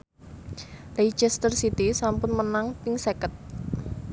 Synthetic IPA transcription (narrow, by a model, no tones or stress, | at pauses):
rejd͡ʒɛst̪ərsit̪isampʊnmənaŋp̪ɪŋsekət̪̚